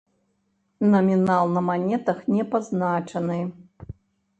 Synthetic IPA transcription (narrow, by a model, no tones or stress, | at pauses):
nɐmʲinalˠnɐmanʲɛt̪ɐxnʲɛpaznat͡ʂɐnɨ